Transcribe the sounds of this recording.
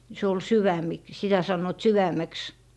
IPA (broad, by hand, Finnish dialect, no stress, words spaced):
se ol syʋæmik sitæ sɑnːoĭt syʋæmˑeks